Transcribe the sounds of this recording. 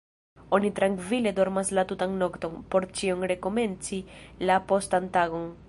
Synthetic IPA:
o̞nit̪ɾaŋkvile̞do̞ɾmaslatutaŋno̞kt̪o̞npo̞ɾt͡ʃioŋɾe̞ko̞me̞nt͡silapo̞stantaɡo̞n

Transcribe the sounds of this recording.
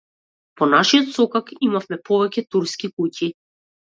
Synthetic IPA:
pɔnaʃiɔt̪sɔkakimafmɛpɔvɛcɛt̪uɾskikuci

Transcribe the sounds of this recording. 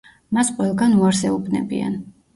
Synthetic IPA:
masqʼwɛlˠɡanuaɾsɛubnɛ̰bia̰n

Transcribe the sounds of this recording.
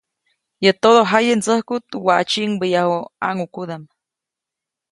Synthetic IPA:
jət̪oðoɦajent͡səhkut̪waʔt͡ʃiʔŋbəjahoa̰ŋukuðam

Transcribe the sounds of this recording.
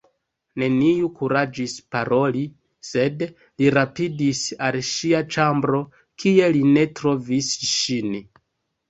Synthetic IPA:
ne̞niukuɾad͡ʒispaɾo̞li | se̞d | liɾapidisalʃiat͡ʃambɾo̞ | kʰie̞line̞tɾo̞visʃin

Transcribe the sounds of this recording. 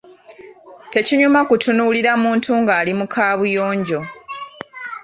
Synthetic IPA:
te̞ciɲumakutunuːliɾamuːntuŋɡaːlimukʰaːβujo̞ːɲɟo̞

